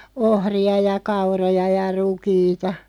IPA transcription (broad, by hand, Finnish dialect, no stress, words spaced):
ohriɑ jɑ kɑurojɑ jɑ rukiːtɑ